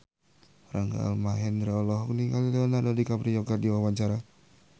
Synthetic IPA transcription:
raŋɡa̰a̰lmaɦɛndɾaɔlɔɦɔk̚niŋɡalileɔnadadikabɾijɔɡadiwawaɲt͡ʃaɾa

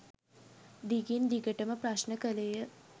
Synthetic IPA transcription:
d̪iɡind̪iɡəʈəməpraʃnəkəlejə

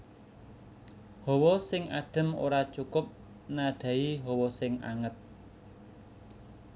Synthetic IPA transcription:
hɔwɔsɪŋaɖ̥ə̤mo̰ɾat͡ʃukʊp̚ | naɖ̥ä̤iɦɔwɔsɪŋa̰ŋət̪̚

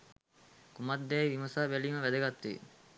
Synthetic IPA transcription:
kumad̪ːæːiʋimɐsaːbæliːməʋæd̪ɐɡat̪ːḭː

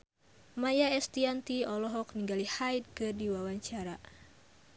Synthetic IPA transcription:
majaɛst̪iant̪iɔlɔɦɔk̚niŋɡalihajt̪̚kɨrdiwawaɲt͡ʃaɾa

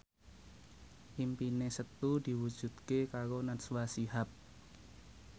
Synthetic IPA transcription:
ʔimpinesət̪ud̥i̤wu̥d͡ʒ̥ṳd̪̥kekaɾonat̪swasiɦap̚

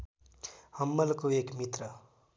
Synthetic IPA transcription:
hʌmːʌlkoeːkmit̪ɾʌ

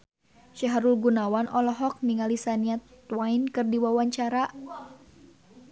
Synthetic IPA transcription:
ʃɛɦaɾulɡunawanʔɔlɔɦɔk̚niŋalisaniat̪wainkɨrdiwawaɲt͡ʃaɾaʔ

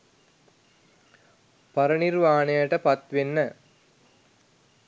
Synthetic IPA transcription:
pɐɾənirʋaːnejəʈəpat̪ʋenːə

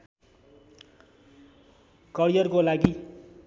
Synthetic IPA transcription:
kʌɾijʌrkolaɡi

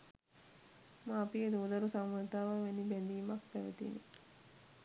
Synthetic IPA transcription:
mãːpied̪əud̪ɐɾusamːut̪aːʋaʋenibɛnd̪iːmak̚pæʋḛt̪ḭnḛ

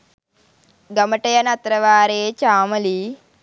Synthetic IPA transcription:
ɡɐmɐʈɐjɐnɐt̪ɾɐʋaːɾeːt͡ʃaːmɐli

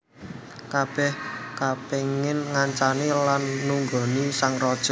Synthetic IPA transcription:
kab̥ɛhkapeŋɪnŋaɲt͡ʃanilanːuŋɡɔ̤nisaŋrɔd̥ʒ̥ɔ

